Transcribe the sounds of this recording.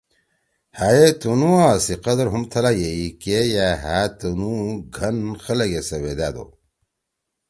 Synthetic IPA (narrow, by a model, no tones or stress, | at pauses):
hajet̪unuaːsiqɐd̪ɐɾɦumt̪ʰɐlajeikejaɦaːt̪unuɡʱɐnxɐlɐɡesɐwed̪aːd̪o̰